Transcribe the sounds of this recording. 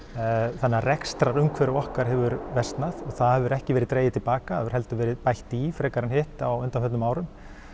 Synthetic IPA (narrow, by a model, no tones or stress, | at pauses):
θanːarɛkst̪ɾaɾʏmkʰvɛːɾɪɔhkaɾ̥ɦɛvʏɾvɛst̪naðɔɣθaðhɛvʏɾɛhcɪvɛɾɪðt̪ɾeːjɪðt̪ɪlpaːkaɛvʏɾ̥hɛlt̪ʏvɛːɾɪðpajht̪ifɾɛːkaɾɪnhɪht̪awʏnt̪anfɛt̪nʏmaːwɾʏm